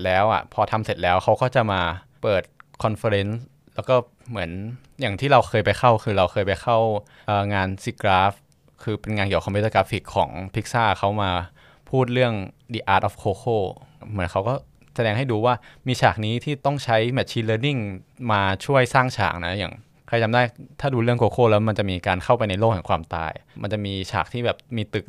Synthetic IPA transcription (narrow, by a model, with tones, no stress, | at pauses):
lɛː˦˥wʔa̰˨˩pʰɔː˧t̪ʰa˧mse˨˩t̪̚lɛː˦˥wxʰa˦˥wkɔː˥˩t͡ɕa˨˩maː˧ | pɤː˨˩t̪̚kʰɔ˧nfa˧ɾe˦˥ns | lɛː˦˥wkɔː˥˩ | mɯ˩˦ən | jaː˨˩ŋt̪ʰiː˥˩ɾa˧wxʰɤː˧jpa˧jxʰa˥˩wkʰɯː˧ɾa˧wxʰɤː˧jpa˧jxʰa˥˩w | ʔəː˨˩ŋaː˧nsi˧˥kɾaː˦˥f̚ | kʰɯː˧pe˧nŋaː˧nki˨˩ə˩ɔ˧mpe˦˥t̪̚sa˧kɾaː˦˥fi˨˩kʰːɔ̰ː˩˦ŋpʰi˦˥k̚saː˥˩ka˦˥wmaː˧ | pʰuː˥˩t̪̚ɾɯ˥˩əŋ | diː˧˩ʔaː˧˩t̪ʔɔː˦˥fkʰoː˧kʰoː˥˩mɯ˩˦ənkʰa˦˥wkɔː˥˩ | sa˧dɛː˧ŋɦa˥˩jduː˧waː˥˩miː˧t͡ɕʰaː˨˩k̚niː˦˥t̪ʰiː˥˩t̪ɔ˥˩ŋt͡ɕʰa˦˥jmɛ˨˥t̪̚t͡ɕʰiː˧˥nlɤː˧ni˥˩ŋmaː˧t͡ɕʰu˥˩əjsaː˥˩ŋt͡ɕʰa̰ː˨˩k̚na˦˥ja̰ː˨˩ŋ | kʰa˧jt͡ɕa˧mdaː˥˩jt̪ʰaː˥˩duː˧ɾɯ˥˩əŋkoː˧kʰoː˥˩lɛː˦˥wma˧nt͡ɕa˨˩ʔmiː˧kaː˧nkʰa˥˩wpa˧jna˧jloː˥˩k̚hɛː˨˩ŋkʰwaː˧mt̪a̰ː˧jma˧nt͡ɕa˨˩ʔmiː˧t͡ɕʰa̰ː˨˩k̚t̪ʰiː˥˩bɛː˨˩p̚miː˧t̪ɯ˨˩k̚